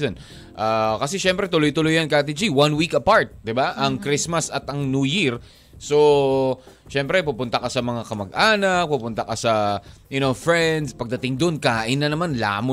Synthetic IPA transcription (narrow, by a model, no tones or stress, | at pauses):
on | ʔakɐsɛʃɛmpɾɛt̪ʊlojt̪ʊlojɐnkat̪̬id͡ʒiwãnwikɐpaɹt̪̚d̪ɪbaʔɐŋkɾismɐsɐt̪ʔɐŋnuːjiɾ | so | ʃɛmpɾɛpʊpʊnt̪ɐkɐsɐmɐŋakɐmɐɡʔaːnɐk̚pʊpʊnt̪ɐkɐsɐjʊnofɹɛnd̪spɐɡ̚d̪ɐt̪ɪŋd̪onkaːʔɪnːɐnɐmanla̰ːmo